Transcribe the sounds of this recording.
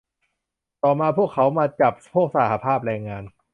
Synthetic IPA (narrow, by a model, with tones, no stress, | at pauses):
t̪ɔː˨˩maː˧pʰu˥˩əkʰːa˦˥wmaː˧t͡ɕa˨˩p̚pʰu˥˩ək̚sa˧˦ha˧pʰaː˥˩p̚ɾɛː˧ŋːaː˧n